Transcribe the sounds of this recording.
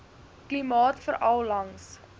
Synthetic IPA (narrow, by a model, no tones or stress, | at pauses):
klimɑːtfəɾʔɐlˠlɐŋs